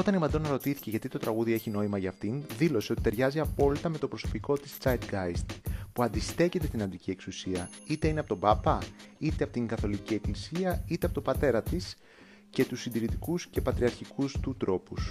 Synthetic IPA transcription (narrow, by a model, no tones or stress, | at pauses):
o̞t̪ɐnimɐnd̪onɐɾo̞t̪iθi̥ce̞ʝɐt̪it̪o̞t̪ɾɐɣuðie̞çino̞imɐʝɐːft̪inðilo̞se̞o̞t̪i̥t̪e̞ɾʝɐziɐpo̞lit̪ɐme̞t̪o̞pɾo̞so̞̥piko̞t̪i̥st͡sɐjd̪ɡɐjst̪puɐnd̪ist̪e̞ce̞t̪est̪inɐnd̪icie̞ksusiɐit̪eineɐpo̞t̪o̞bɐpɐit̪e̞ɐpot̪iŋɡɐθo̞licie̞klisiɐit̪eɐpo̞t̪o̞bɐt̪e̞ɾɐt̪is | ce̞t̪usːind̪iɾit̪ikusce̞pɐt̪ɾiɐɾçikust̪ut̪ɾo̞pus